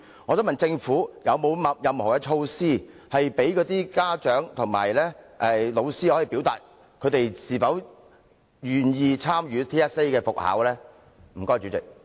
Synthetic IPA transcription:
ŋɔː˨˧t͡so˨˥wmɐ˨nt͡sɪ˧ŋfuː˨˥jɐ˨˧wmo˨˧wmɐ˨jɐ˨mhɔː˨˩kɛ˧t͡ʃʰo˧wsiː˥hɐ˨jpe˨˥jkɔː˨˥t̪iː˥kaː˥t͡ʃœː˨˥ŋt̪ʰʊ˨˩ŋma̰ː˨˩jlɛː˥ʔɛː˨lo˨˧wsiː˥hɔː˨˥ji˨piː˨˥wt̪a̰ː˨t̚ | kʰɵ˨˧t̪e˨jsiː˨˩fɐ˨˥w | jyː˨njiː˧t͡sʰaː˥mɥyː˨˧t̪ʰiː˥ɛ˥se˥jkɛː˧fʊ˨k̚ha̰ː˨˥wlɛː˥ | m̩˨˩kɔː˥jt͡ʃy˨˥t͡sɪ̰˨k̚

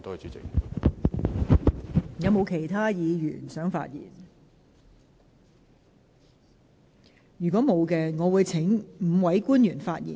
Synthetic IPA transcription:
t̪o˥˨t͡ʃyː˨˥t͡sɪ̰˨k̚ | jɐ˨˧wmo˨˧wkʰe˨˩jt̪ʰaː˥jiː˨˧jy̰ː˨˩nsœː˨˥ŋfa̰ː˧t̚jḭː˨˩n | jyː˨˩kʷɔː˨˥mo˨˧wkɛː˧ŋɔː˨˧wuː˨˧jt͡sʰɪ˨˥ŋm̩ː˨˧wɐ˨˥jkuː˥njyː˨˩nfaː˧t̚jḭ˨˩n

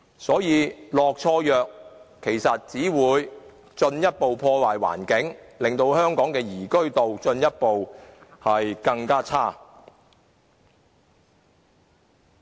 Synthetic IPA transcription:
sɔː˨˥jiː˨˧lɔː˨k̚t͡ʃʰɔː˧jœː˨k̚ʰ | e˨˩jsɐ˨t̚t͡siː˨˥wuː˨˧j | t͡ʃɵ˧njɐ˥t̚po˨wpʰɔː˧waː˨˩jwa̰ː˨˩nkɪ˨˥ŋlɪ˨ŋt̪o˧whœː˥ŋkɔː˨˥ŋkɛː˧jiː˨˩kɵ˥ɥt̪o˨wt͡ʃɵ˧njɐ˥t̚po˨whɐ˨jkɐ˧ŋkaː˥t͡sʰaː˥

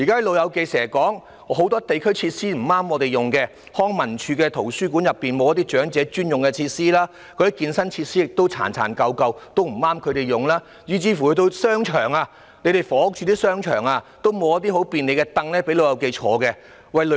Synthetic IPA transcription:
jiː˨˩kaː˥hɐ˨˥lo˨˧wjɐ˨˧wke˧jsɛː˨˩kɔː˨˥ŋ | ɦo˨˥wt̪ɔː˥t̪e˨jkʰɵ˥ɥt͡sʰiː˧t̚siː˥m̩˨˩maː˥mɔː˨˧t̪e˨˩jʊ˨ŋkɛː˧ | hɔː˥ŋmɐ˨˩nt͡ʃʰyː˨˧kɛː˧t̪ʰo˨˩wsyː˥kuː˨˥njɐ˨pːiː˨nmo˨wjɐ˥t̪̬iː˥t͡ʃœː˨˥ŋt͡sɛː˨˧˥t͡ʃyː˥njʊ˨ŋkɛ˧t͡sʰiː˧t̚siː˥laː˥ | kʰɵ˨˧jkiː˧nsɐ˥nt͡sʰiː˧t̚siː˥jɪ˨k̚t̪o˥wt͡sʰa̰ː˨˩nt͡sʰa̰ː˨˩nkɐ˧wkɐ˧wt̪o˥wm̩˨˩aː˥mkʰɵ˨˧ɥɾe˨jʊ˨ŋlaː˥ | jiː˨˧t͡siː˧˩fu˨˩kɵ˨˧˥t̪o˥wsœː˥ŋt͡ʃʰœː˨˩ŋaː˧ | ne˨˧jt̪e˨˩jfɔː˨˧˥ʊ˥k̚t͡ʃʰyː˧t̪iː˥sœː˥ŋt͡ʃʰœ̰ː˨˩ŋaː˧t̪o˥wmo˨˧wjɐ˥t̪̚iː˥ho˨˥wpiː˨˧nle˨˧kɛ˧t̪ɐ˧ŋlɛː˥pe˨˥jlo˨˧wjɐ˨˧wke˧jt͡ʃʰɔː˨˥kɛ˧ | wɐ˨jl

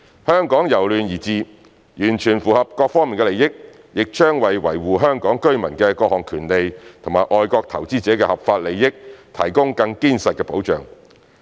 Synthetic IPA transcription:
hœː˥ŋkɔː˨˥ŋjɐ˨˩wlyː˨njiː˨˩t͡siː˨ | jyː˨˩nt͡ʃʰyː˨˩nfuː˨˩hɐ˨p̚kɔː˧k̚fɔː˥ŋmiː˨nkɛ˧le˨jɪ˥k̚ | jɪ˨k̚t͡ʃœː˥ŋwɐ˨jwɐ˨˩jwuː˨ɦœː˥ŋkɔː˨˥ŋkɵ˥ɥmɐ˨˩nkɛː˧kɔː˧k̚hɔː˨ŋkʰyː˨˩nle˨jt̪ʰʊ˨˩ŋmaː˨˩jʔɔː˧jkɔː˧k̚t̪ʰɐ˨˩wt͡siː˥t͡sɛː˨˥kɛː˧hɐ˨p̚faː˧t̚le˨jːɪ˥k̚t̪ʰɐ˨˩jkʊ˥ŋkɐ˧ŋkiː˥nsɐ˨t̚kɛ˧po˨˥wt͡ʃœ̰ː˨ŋ

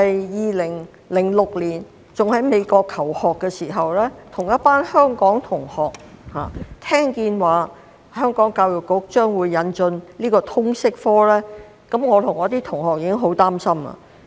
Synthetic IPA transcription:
ɐ˨jjiː˨˧lɪ˨˩ŋ | lɪ˨˩ŋlʊ˨k̚liː˨˩n | t͡sʊ˨ŋhɐ˨˥jme˨˧jkɔː˧kʰːɐ˨˩whɔː˨kːɛ˧siː˨˩ɦɐ˨wlɛː˥t̪ʰʊ˨˩ŋjɐ˥t̚paː˥nhœː˥ŋkɔː˨˥ŋt̪ʰʊ˨˩ŋhɔː˨k̚ha̰ː˨t̪ʰɛː˥ŋkiː˧nwaː˨ | hœː˥ŋkɔː˨˥ŋkaː˧wjʊ˨kːʊ˨˥k̚t͡ʃœː˥ŋwuː˨˧jːɐ˨˧nt͡ʃɵ˧nliː˥kɔː˧t̪ʰʊ˥ŋsɪ˥k̚fɔː˥lɛː˥ | kɐ˨˥mŋɔː˨˧t̪ʰʊ˨˩ŋɔː˨˥t̪iː˥t̪ʰʊ˨˩ŋhɔː˨k̚jiː˧kɪ˥ŋɦo˨˥wt̪aː˥msɐ˥mɐ̰ː˧˨

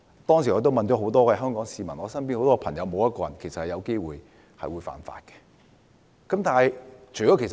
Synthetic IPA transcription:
t̪ɔː˥ŋsi˨˩ɔː˨˧t̪o˥wmɐ˨nt͡ʃɔː˨˥ɦo˨˧˥wt̪ɔː˥kɛː˧ɦœː˥ŋkɔː˨˥ŋsiː˧mɐ˨˩nɔː˨˧˥sɐ˥np̬i˥no˨˧wt̪ɔː˥˧pʰɐ˨˩ŋjɐ˧wmo˨˧wjɐ˥t̚kɔː˧jɐ˨˩nkʰe˨˩jsɐ˨t̚hɐ˨jɐ˨˧wke˥jwṵː˨j | hɐ̰˨jwuː˨˧˥jfa̰ː˨nfa̰ː˧t̚kɛ̥˧ | kɐ˨˥mt̪aː˨hjt͡ʃʰɵ˨˩jɔ˨˥ke˨˩s

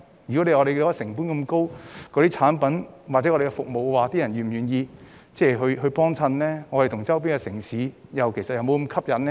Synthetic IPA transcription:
jy˨kɔ˨˥le˨˧jŋɔː˨˧ɾe˨jko˨˧jɐ˥sɪ˨˩ŋpuː˥nkɐ˧mko˥wkɔː˨˧ɾiː˥t͡sʰaː˨˥npɐ˨˥nwa˨t̚t͡sɛ˨˧˥ɔ˧de˨˧kɛ˧fʊ˨k̚mo˨wwaː˨˩t̪iː˥jɐ˨˩njyː˨˩mjyː˨˩njiː˧ | t͡sɛː˥˩ɦɵ˧ɥɦɵ˧ɥpɔː˥ŋt͡sʰɐ˧nlɛː˥ŋɔː˨˧ɾe˨jt̪ʰʊ˨˩ŋt͡sɐ˥wp̬iː˥nŋɡɛ˧sɪ˨˩ŋsiː˨˥jɐ˨wkʰe˨˩sɐ˨t̚jɐ˨wmo˨˧wkmkʰɐ˥p̚jɐ˨˥nɛ˥

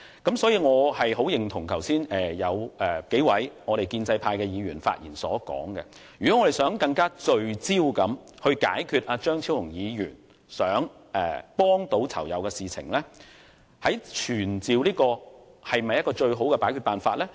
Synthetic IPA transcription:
kɐ˨˥msɔː˨˥jiː˧ŋɔː˨˧hɐ˨jɦo˨˥wjɪ˨˩ŋt̪ʰʊ˨˩ŋkʰɐ˨˩wsiː˥nʔɛː˨˩jɐ˨˧wʔɛ˨ke˨˥jwɐ˨˥jŋɔː˨˧ɾe˨jkiː˧nt͡sɐ˧jpʰaː˧jkɛː˧jiː˨˧jyː˨˩nfa̰˧t̚jiː˨˩nsɔː˨˥kɔ̰ː˨˥ŋkɛ̰˧ | jy˨kɔ˨˦˥ɔː˨˧ɾe˨˩jsœː˨˥ŋkɐ˧ŋkaː˥t͡ʃɵ˧ɥt͡siː˥wkɐ˨˥mhɵ˧ɥka̰ː˨˥jkʰyː˧t̚ʔaː˧t͡ʃœː˥ŋt͡sʰiː˥whʊ˨˩ŋjiː˨˧jyː˨˩n | sœː˨˥ŋ | ʔɛː˨˩pɔː˥ŋt̪o˨˥wt͡sʰɐ̰˨˩wjɐ̰˨˧wkɛ˧siː˨t͡sʰɪ̰˨˩ŋlɛ˥ | hɐ˨˥jt͡ʃʰyː˨˩nt͡siː˨wliː˥kɔː˧hɐ˨jmɐ˨jːɐ˥t̚kɔː˧t͡ʃɵ˧ɥɦo˨˥wkɛ˧paː˨˥jkʰyː˨˧t̚paː˨nfaː˧t̚lɛː˥

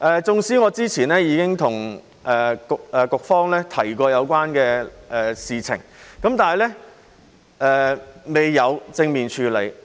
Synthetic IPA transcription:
ʔɛː˨t͡sʊ˨˧ŋsiː˨˥ŋɔː˨˧t͡siː˥t͡sʰiː˨˩nɛː˥jiː˨˧kɪ˥ŋt̪ʰʊ˨˩ŋ | ʔɛː˨kʊ˨k̚ɛː˨kʊ˨k̚fɔː˥ŋlɛː˥t̪ʰɐ˨˩jkɔː˧jɐ˨˧wkʷaː˥nkɛː˧ʔɛː˨siː˨t͡sʰɪ̰˨˩ŋkɐ˨˥mt̪aː˨jlɛː˥ | ʔɛː˨˧me˨jːɐ˨˧wt͡sɪ˧ŋmiː˨˩nt͡ʃʰyː˨˧le˨˧j

